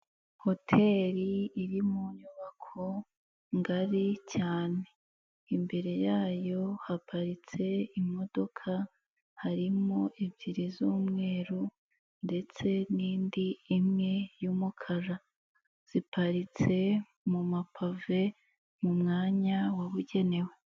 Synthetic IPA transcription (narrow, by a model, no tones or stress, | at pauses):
ho̞tʰe̞ɾiːɾimuɲuβakʰo̞ | ŋɡaɾicaːne̞ | imbe̞ɾe̞jaːjo̞hapʰaɾit͡se̞imo̞do̞kʰa | haɾimo̞ʔivɟiɾizuːmŋe̞ːɾu | nde̞t͡se̞niːndiːmŋe̞jumukʰaɾa | z̥ipʰaɾit͡se̞ | mumapʰave̞ | mumŋaːɲawaβuɟe̞ne̞we̞